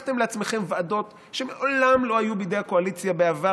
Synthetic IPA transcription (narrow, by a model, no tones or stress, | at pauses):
t̪emleat͡smeχemvado̞t̪ | ʃemeʔolamlo̞ajubed̪ejakoalit͡sjabeava